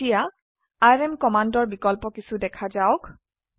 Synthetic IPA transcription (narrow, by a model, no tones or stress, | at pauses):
ija | ajɹɛmkɔmandɔɹbikɔlpɔkisudɛkʰazaʊk